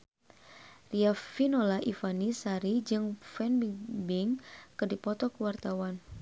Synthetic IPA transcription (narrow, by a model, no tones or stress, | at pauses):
riafinolaʔifanisaɾid͡ʒɨŋfɛnbibɪŋkədipɔt̪ɔkəwart̪awan